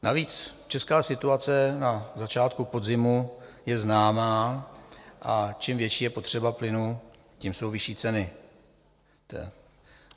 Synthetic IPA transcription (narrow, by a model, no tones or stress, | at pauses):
naviːt͡st͡ʃɛskaːsɪt̪uat͡sɛnazat͡ʃaːt̪̚kupo̞d̪zɪmu | jɛznaːmaː | ʔat͡ʃimvjɛt͡ʃiːjɛpo̞t̪r̝̥ɛbaplɪnu | cimso̞wvɪʃiːt͡sɛnɪ | t̪ɛ̰